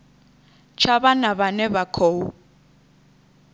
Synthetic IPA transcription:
t͡ʃʰaβanaβanɛbakʰoːu

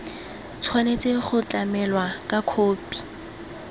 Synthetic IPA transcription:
t͡sʰwanet͡sʼeχʊt͡ɬʼamɛlwakʼakʰoːpʼi̥

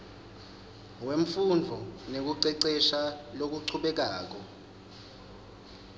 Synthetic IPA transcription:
weɱm̩fund͡ɮʱɔnek̬uǀɛǀɛʃalok̬uǀʰuɓɛk̬aːk̬ɔ

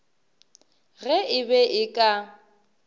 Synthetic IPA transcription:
ɣɛʔɪbɛʔɪkʼa

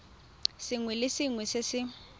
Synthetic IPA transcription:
sɪŋwɛlɪsɪŋwɛsɪsɪ

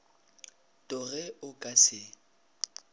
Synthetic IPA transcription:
tʼʊɣɛʊkʼasɪ

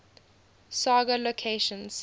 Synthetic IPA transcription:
saːɡəlokʰeʃə̃ns

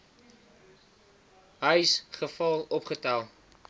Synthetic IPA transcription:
ɦəjsχəfɑlˠɔpχətælˠ

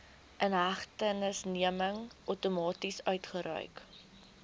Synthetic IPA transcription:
ʔənɦæχtənəsniəməŋʔuwtumɑːtisœɥtχəɾœ̰ɥk

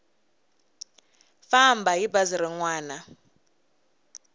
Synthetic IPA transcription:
fambaɦibaziɾiŋwaːna

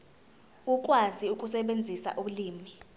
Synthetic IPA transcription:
uk̬ʼwaziukʼusɛɓend͡zʱisa̰ʔuɓuliːmi

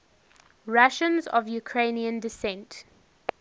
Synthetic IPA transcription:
ɹaʃə̃nzɔ̰vjukʰɹẽɪniə̃ndɪsɛ̃nt

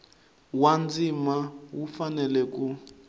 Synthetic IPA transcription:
wand͡zimawufanɛlɛk̬u

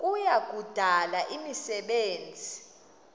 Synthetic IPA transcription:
kʼujak̬ʼud̥ʱalaʔimisɛɓeːnd͡zʱi

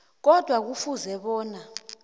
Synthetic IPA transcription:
k̬ɔd̥ʱwak̬ufuzɛɓɔːna

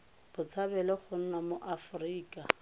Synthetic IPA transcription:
b̥ʊt͡sʰabɛlɛχʊn̩namoʔafʊriːkʼa

